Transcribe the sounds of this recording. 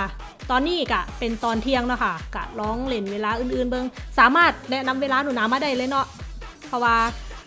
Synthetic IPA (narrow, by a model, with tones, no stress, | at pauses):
a˧˩ | t̪ɔː˧nːiː˧˥˩ka˧˩pe˧nt̪ɔː˨nt̪ʰi˧əŋnɔ˧˩kʰa˧˩ka̰˧˩lɔː˧˥˩ŋle˧˩nweː˧laː˧ʔɯː˨˧˩nʔɯː˧˩nbɤ˧ŋsaː˨˩˦maː˥˩t̪̚nɛ˦˧˩ʔna˧˥mweː˧laː˧˥˧nuː˨˧˦naː˧˥maː˧˩da˥˩jlɤː˧˦jnɔ˧˥ʔpʰɔ˧˩waː˧